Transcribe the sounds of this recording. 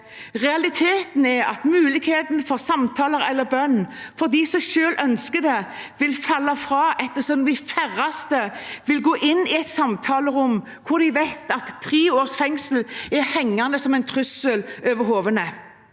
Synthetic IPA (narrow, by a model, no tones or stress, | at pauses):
ʁɛɑlɪt̪ʰeːt̪n̩ɛɑ̰t̪mʉːlɪɡheːt̪nfɔʁsɑmt̪ʰɑːləʁɛlːəɾbœnːfɔʁd̪iːsɔʃøːlʔœnskəd̪ɛ | ʋɪlfɑlːɑfʁɑːʔɛt̪ːəsɔmd̪ɪfæʁɑst̪əʋɪlɡoːʔɪnːɪɛt̪sɑmt̪ʰɑːləʁʊm | kʰʊʁd̪ɪʋɛt̪ɑt̪ʰːʁeːoːʁsfɛŋsəl̩ɛʁhɛŋːɑnəsɔmɛɪnt̪ʰʁʉsəløʋəɾɦoːʋənə